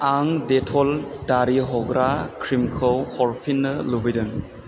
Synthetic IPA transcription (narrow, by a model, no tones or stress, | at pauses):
aŋdetʰɔldaɾiɦɔɡɾakʰɾimkʰɯwhɔɾpʰinːɯlubɯjdɯŋ